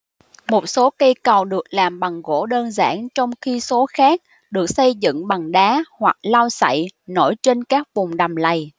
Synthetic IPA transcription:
mo˨˩t̚so˨˦kə˧jkə˨˩wɗɨ˨˩ək̚laː˨˩mɓa˨˩ŋɣo̰˧˥ɗəː˧nza̰ː˧˥nt͡ɕɔ˧wŋ͡mxi˧so˨˦xaː˦˥k̚ | ɗɨ˨˩ək̚sə˧jzɨ̰˧˨ŋɓa˨˩ŋɗaː˨˦hwa˨˩k̚la˧wsa̰˧˨jno˧˩jt͡ɕe˧nkaː˦˥k̚vʊ˨˩ŋ͡mɗa˨˩mla˨˩j

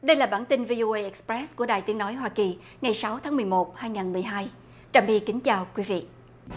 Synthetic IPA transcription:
ɗə˧jlaː˨˩ɓaː˧˩nt̪i˧nvi˧ʔo˧ʔe˧ʔɛ˨˥k̚spɹɛ˦˥sku˧˩əɗa̰ː˨˩jt̪i˨˦əŋnɔ˨˦jɦwaː˧ki˨˩ | ŋa˨˩jsa˨˦wt̪ʰaː˨˦mɨ˨˩əjmo˨˩t̚haː˧jŋaː˨˩nmɨ˨˩əjɦaː˧j | t͡ɕaː˨˩mɓi˧kï˨˦ŋ̟t͡ɕaː˨˩wkwi˨˦vḭ˧˨ʔ

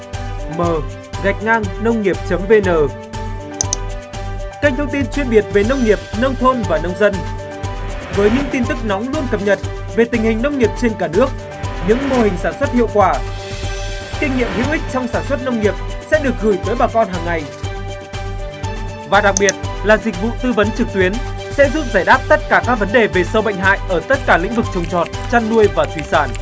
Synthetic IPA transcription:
məː˨˩ | ɣa˨˩jk̟̚ŋaː˧ŋnə˧wŋ͡mŋi˨˩əp̚t͡ɕə˨˦mve˧nəː˨˩ | ka˧ŋ̟t̪ʰə˧wŋ͡mt̪i˧nt͡ɕwi˧ənɓi˨˩ət̚ve˨˩nə˧wŋ͡mŋi˨˩əp̚nə˧wŋ͡mt̪ʰo˧nvaː˨˩nə˧wŋ͡mzə˧n | vəː˨˦jɲɨ̰˧˥ŋt̪i˧nt̪ɨ˦˥k̚nɔ˨˦ŋ͡mlu˧ənkə˨˩p̚ɲə˨˩t̚ | ve˨˩t̪ï˨˩ŋ̟hï˨˩ŋnə˧wŋ͡mŋi˨˩əp̚t͡ɕe˧nkaː˧˩nɨ˦˥ək̚ | ɲɨ̰˧˥ŋmo˧hï˨˩ŋ̟saː˧˩nswə˦˥t̚hḭ˧˨əwkwaː˧˩ | ki˧ŋ̟ŋḭ˧˨əmhḭ˧˥əwʔï˦˥k̚t͡ɕɔ˧wŋ͡msaː˧˩nswə˦˥t̚nə˧wŋ͡mŋi˨˩əp̚sɛ̰˧˥ɗɨ˨˩ək̚ɣɨ˧˩jt̪əː˨˦jɓaː˨˩kɔ˧nɦaː˨˩ŋːa˨˩j | vaː˨˩ɗa˨˩k̚ɓi˨˩ət̚laː˨˩zï˨˩k̟̚vṵ˧˨t̪ɨ˧və˨˦nt͡ɕɨ˨˩k̚t̪wi˨˦ənsɛ̰˧˥zṵ˧˥p̚zaː˧˩jɗaː˦˥p̚t̪ə˦˥t̚kaː˧˩kaː˦˥k̚və˨˦nɗe˨˩ve˨˩sə˧wɓə̰˧˨jŋ̟ɦa̰ː˧˨jʔəː˧˩t̪ə˦˥t̚kaː˧˩lḭ̈˧˥ŋ̟vɨ˨˩k̚t͡ɕə˨˩wŋ͡mt͡ɕɔ˨˩t̚t͡ɕa˧nːu˧əjvaː˨˩t̪ʰwi˧˩saː˧˩n

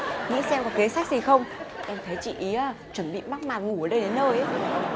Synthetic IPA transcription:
ŋḭ˧˥sɛ˧mkɔ˨˦ke˨˦saː˦˥k̚zi˨˩xə˧wŋ͡mʔɛ˧mt̪ʰə˨˦jt͡ɕḭ˧˨ʔi˨˦aː˧˩ | t͡ɕwə˧˩nɓḭ˧˨ma˦˥k̚maː˨˩t̚ŋu˧˩əː˨˩ɗə˧jɗe˨˦nːəː˧jʔə˨˦

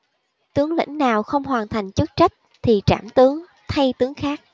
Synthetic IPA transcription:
t̪ɨ˨˦əŋlḭ˧˥ŋ̟naː˨˩wxə˧wŋ͡mɦwaː˨˩nt̪ʰa˨˩jŋ̟t͡ɕɨ˦˥t̚t͡ɕa˦˥jk̟̚ | t̪ʰi˨˩t͡ɕa̰ː˧˩mt̪ɨ˨˦əŋ | t̪ʰa˧jt̪ɨ˨˦əŋxaː˦˥k̚

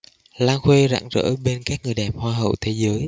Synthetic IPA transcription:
laː˧ŋxwe˧za̰ː˧˩ŋzə̰ː˧˥ɓe˧nkaː˦˥k̚ŋɨ˨˩əjɗɛ˨˩p̚hwaː˧ɦə̰˧˨wt̪ʰe˨˦zəː˨˦j

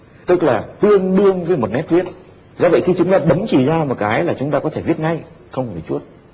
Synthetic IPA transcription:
t̪ɨ˦˥k̚laː˨˩t̪ɨ˧əŋɗɨ˧əŋvəː˨˦jmo˨˩t̚nɛ˦˥p̚vi˦˥ət̚ | zɔː˧və̰˧˨jxi˧t͡ɕʊ˨˦ŋ͡mt̪aː˧ɓə˨˦mt͡ɕi˧˩zaː˧mo˨˩t̚kaː˨˦jlaː˨˩t͡ɕʊ˨˦ŋ͡mt̪aː˧kɔ˨˦t̪ʰe˧˩vi˦˥ət̚ŋa˧j | xə˧wŋ͡mt͡ɕu˦˥ət̚

